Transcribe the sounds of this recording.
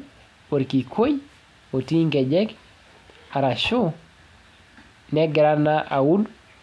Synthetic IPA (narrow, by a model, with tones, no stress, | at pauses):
po˨ɾki˨kʰo˦j | o˨ti˦ŋkɛ˨d͡ʒɛk | a˨ɾa˨ʃo˦ | nɛ˦ɡɛ˨ɾa˦naʔa˨wu˦d